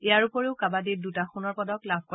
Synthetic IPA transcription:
ejaɹupɔɹeʊkabadidutaxunɔɹpɔdɔklabʱkɔ

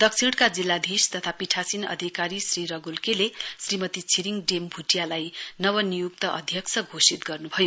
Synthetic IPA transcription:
d̪̥ʌksʰiɽkad͡zilːad̪ʱist̪ʌt̪ʰapiʈʰasinʌ̰d̪ʱikaɾisriɾʌɡulkelesrimʌt̪it͡sʰiɾiŋɖembʱuʈjalajnʌwʌnijukt̪ʌʔʌ̰d̪ʱjʌksʰʌɡʱosit̪ɡʌrnubʱʌjo

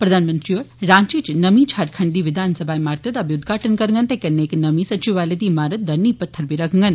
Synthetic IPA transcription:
pɾɐd̪ʱaːnmə̃nt̪ɾioːɾɾãːɲt͡ʃiːt͡ʃnɐmĩt͡ʃʰaɾkʰɐɳɖd̪iːʋɪd̪ʱaːnsɐbʱaːimaːɾt̪ɐt̪ɐbiʊd̪ɡʱaːʈənkɐɾŋɡənt̪ekɐnːeːknɐmĩsɐt͡ʃiʋaːled̪iːmaːɾət̪̚d̪ɐɾniːpɐt̪ʰːəɾbʱiɾɐkʰŋɡən

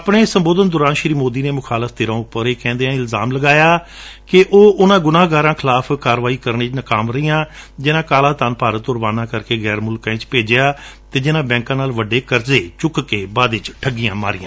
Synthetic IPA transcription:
əpɳeːsəmboːd̪ənd̪ʊɾãːnʃɾiːmoːd̪iːneːmʊkʰaːləfʰd̪ɪɾãːʊpːəɾeːkɛ̃ːnd̪eːãːɪlzaːmləɡaːjaː | kɪʔoːʔʊnãːɡʊnãːɡaːɾãːkʰɪlaːpʰkaːɾʋaːiːkəɾneːt͡ʃnəkaːmɾəijãːd͡ʒɪnãːkaːlãːt̪aːnpaːɾət̪ʊɾʋaːnãːkəɾkeːɣɛːɾmʊlkãːẽːt͡ʃpeːd͡ʒeaːt̪eːd͡ʒɪnãːbɛ̃ːŋkãːnaːlʋəɖeːkəɾzeːt͡ʃʊkkeːbaːd̪ɪt͡ʃʈʰəɡɪjãːmaːɾɪjãː

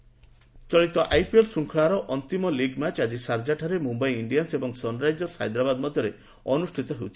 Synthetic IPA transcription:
t͡ʃɔɭit̪ɔʔajpielsuŋkʰɭaɾɔʔɔnt̪imɔliɡmat͡ʃad͡ʒisaɾd͡ʒaʈʰaɾemumbajiɳɖijansebɔŋsɔnɾajd͡ʒɔsha̰jd̪ɾabad̪mɔd̪ʱjɔɾe | ɔnusʈʰit̪ɔɦewt͡ʃʰi̥

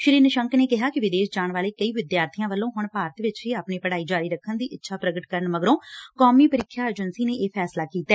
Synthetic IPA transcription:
ʃɪɾiːnəʃəŋkneːkɪɦaːkɪʋɪd̪eːʃd͡ʒaːɳʋaːleːkəiːʋɪd̪jaːɾt̪ʰijãːʋəlːõːɦʊɳpaːɾət̪ʋɪt͡ʃɦiaːpneːpəɽaːiːd͡ʒaːɾiːɾəkʰːənd̪iːʔɪtːʃʰaːpɾəɡəʈkəɾəɳməɡəɾõːkɔːmiːpəɾɪkʰːjaːeːd͡ʒənsiːneːʔeːpʰɛːslaːkiːt̪ɛː

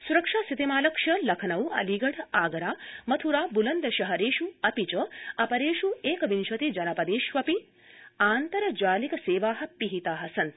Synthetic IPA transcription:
suɾɐkʂaːsit̪imaːlɐkʂɐlɐkʰɐnɐwɐ̰liɡɐɽaːɡɐɾaːmɐt̪ʰuɾaːbulɐnd̪ɐʃɐɦɐɾeːʃuɐpit͡ʃɐɐpɐɾeːʃueːkɐʋinʃɐt̪id͡ʒɐnɐpɐd̪eːʃʋɐpi | aːnt̪ɐɾɐd͡ʒaːlikɐseːʋaːɦɐ̆piɦit̪aːɦɐsɐn

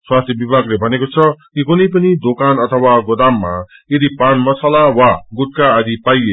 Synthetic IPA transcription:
swast̪ʰjʌbibʱaɡlebʱʌnekot͡sʰʌkikunʌjpʌnid̪okanʌt̪ʰʌwaɡod̪amːa̰ | jed̪ipanmʌsalawaɡut̪̚kaːd̪ipaje

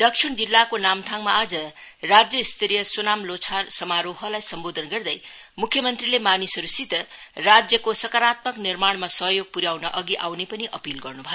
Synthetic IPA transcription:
d̪ʌkʂiɽd͡zilːakonamt̪ʰaŋmaːd͡zʌ | rad͡zjʌist̪ʰiɾijʌsunamlot͡sʰarsʌmaɾoɦʌlajsʌmbod̪ʱʌnɡʌrd̪ʌj | mukʰjʌmʌnt̪rilemanisʌɾusit̪ʌrad͡zjʌkosʌkaɾat̪̚mʌknirmaɽmasʌɦjoɡ̚puɾjawnʌʔʌɡiʔawnepʌniʔʌpilɡʌrnubʱʌjo

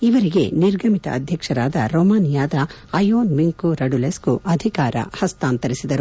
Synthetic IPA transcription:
iʋɐɾiɡe̞niɾɡʱɐmit̪ɐ̰ʔɐd̪ʱjɐkʂɐɾaːd̪ɐɾɔːmaːnijaːd̪ɐ | ɐjoːnmiŋkuɾɐɖuleskuɐd̪ʱikaːɾɐ̰hɐst̪aːnt̪ɐɾisid̪ɐɾu

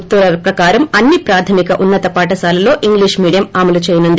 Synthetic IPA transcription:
t̪uɾɐɾpɾɐkaːɾɐmɐnːipɾaːt̪ʰɐmikɐʔunːɐt̪ɐpaːʈɐsaːlɐlo̞ːʔiŋɡliːʂmiːɽijɐmaːmɐlut͡ʃeːjɐnund̪i

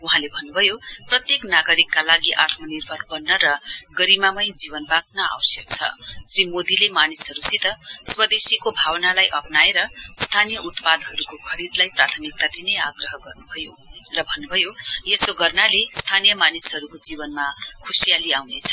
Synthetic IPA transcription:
uɦãlebʱʌnːubʱʌjoprʌt̪jeknaɡʌɾikːalaɡiʔat̪ʰmʌnirbʱʌrbʌnːʌɾʌɡʌɾimamʌjd͡ziβʌnbat͡snaa̰wsjʌk̚t͡sʰʌ̰srimod̪ilemanisɦʌɾusit̪ʌswʌd̪esikobʱawnalajʔʌpnaeɾʌst̪ʰanijʌʔut̪pad̪ɦʌɾukokʰʌɾid̪lajprat̪ʰʌmik̚t̪ad̪ineaɡrʌɦʌɡʌrnubʱʌjo | rʌbʱʌnːubʱʌjojesoɡʌrnalest̪ʰanijʌmanisɦʌɾukod͡zibʌnmakʰusijaliawnet͡sʰʌ

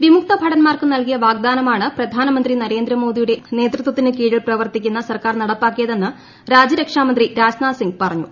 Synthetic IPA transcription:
ʋimuk̚t̪ɐbʱɐɽɐnmaːrkɨnɐlkijɐʋaːɡ̚d̪aːnɐmaːɳɨprɐd̪ʱaːnɐmɐnd̪rinɐɾe̞ːnd̪ɾɐmo̞ːd̪ijuɽe̞ne̞ːt̪rɨt̪wɐt̪ːinɨkiːɻiɭprɐʋɐrt̪ikʲːunːɐsɐrkaːrnɐɽɐpːaːkːijɐðe̞nːɨ | ɾaːd͡ʑɐɾɐkʂaːmɐnd̪riɾaːsnaːsiŋɡpɐrɐɲːṵ

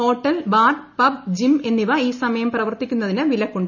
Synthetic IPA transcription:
o̞ːʈːɐlʋaːrpɐb̚d͡ʑime̞nːiʋɐiːsɐmɐjɐmprɐʋɐrt̪ikʲːunːɐðinɨʋilɐkːoɳɖ

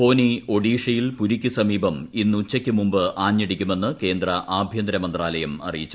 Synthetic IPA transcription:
po̞ːnio̞ɽiːʂɐjilpuɾikʲːusɐmiːbɐminːut͡ɕːɐkʲːɨmumbɨʔaːɲːɐɽikʲːume̞nːɨke̞ːnd̪rɐʔaːbʱjɐnd̪ɐɾɐmɐnd̪raːlɐjɐmɐ̰rijit͡ɕːu̥

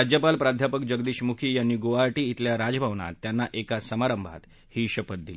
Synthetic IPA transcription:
ad͡ʑjəpalpɾad̪ʱjapəkd͡ʑəɡd̪iːɕmukʰiːjanːiːɡoʋaɾʈiːt̪ljaɾad͡zbʱaʋɳa̰t̪ːjanːaʔekasəmaɾəmbʱa̰t̪ | hiːɕəpət̪̚d̪ili

